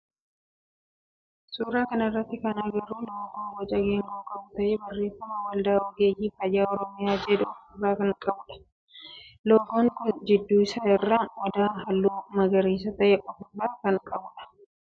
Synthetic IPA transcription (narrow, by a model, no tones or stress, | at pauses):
suːɾaːkɐnɪrːɐt̪ːɪkɐnɐɡɐɾuːloːɡoːnwɐt͡ʃʼɐɡeːŋɡoːkʼɐbt̪ɐʔeːbɐrːeːfːɐmɐwɐld̪ɐɔɡeːjiːfɐjːaːɔɾɔmɪjaːd͡ʒɛd̪ʊsuːraːkɐnɐkʼɐbʊᶑɐ̥ | loːɡoːŋkʊnd͡ʒɪd̪ːuːɪsɐɪrːaːʔɔd̪aːɦɐlːoːmɐɡɐɾiːs̬ɐt̪ɐʔɛkʼɔfʊbaːkɐŋkʼɐbʊᶑɐ̥